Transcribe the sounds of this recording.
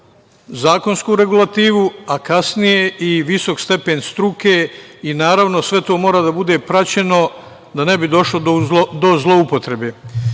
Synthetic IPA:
zaːko̞nskuːɾe̞ɡulˠat̪iːʋuakasnije̞iʋiso̞kst̪e̞penst̪ɾukeinaːɾaʋno̞sʋe̞t̪oːmoːɾad̪abud̪e̞pɾat͡ɕe̞no̞ | d̪ane̞bid̪o̞ʃlo̞d̪d̪o̞zlˠo̞upo̞t̪ɾe̞beː

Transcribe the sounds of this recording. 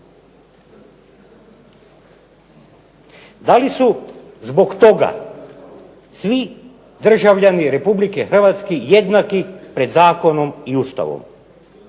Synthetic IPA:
d̪alisuzbo̞kt̪o̞ɡa̰ | sʋi | d̪r̩ʒaʋʎaniɾe̞publikexr̩ʋat̪skeje̞d̪nakipɾe̞d̪zaːko̞no̞miust̪a̰ʋo̰m

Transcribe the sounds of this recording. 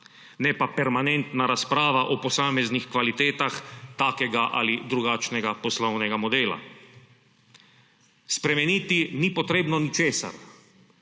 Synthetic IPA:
nɛpapɛɾmanɛnt̪naɾaspɾaːʋaʔɔpɔsaːmɛznixkʋalit̪eːt̪axt̪aːkɛɡaʔa̰lid̪ɾuɡaːt͡ʃnɛɡapɔslɔwnɛɡamɔd̪eːla̰ | spɾɛmɛniːt̪inipɔt̪ɾeːbnɔnit͡ʃeːsa̰ɾ

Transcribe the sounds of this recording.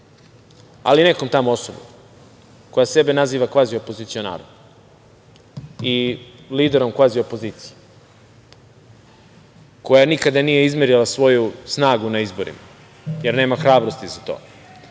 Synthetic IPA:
a̰lineko̞mt̪amoo̞sobo̰m | ko̞jase̞be̞naziːʋakʋaːzio̞po̞zit̪sio̞na̰ːɾod | i | liːd̪eɾo̞mkʋaːzio̞po̞ziːt̪si̥je | ko̞janikad̪aniːje̞izmeɾilˠasʋo̞jusnaːɡunaizbo̞ɾḭma | jeɾne̞ːmaxɾaːbɾost̪izat̪o̞̰ː

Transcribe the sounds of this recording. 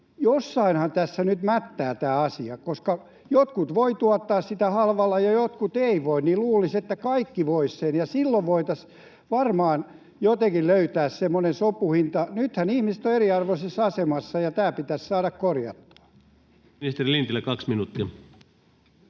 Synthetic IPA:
josːɑinhɑnt̪æsːænyt̪mæt̪ːæːt̪æːɑsiɑkoskɑ | jot̪kut̪ʋoit̪uɑt̪ːɑːssit̪æhɑlʋɑlːˑɑjɑjot̪kut̪eiʋoinniluːliset̪ːækɑikːiʋoissenjɑsilːoʋʋoit̪ɑs | ʋɑrmɑːn | jot̪ekilløyt̪æːssemːonensopuhint̪ɑnyt̪hænihmist̪oeriɑrʋosesɑsemɑsːɑjɑt̪æːpit̪æssɑːɾɑkkorjɑ̰t̪ːu̥ɑ̥ | nist̪erilint̪ilːekɑksminut̪ːiɑ

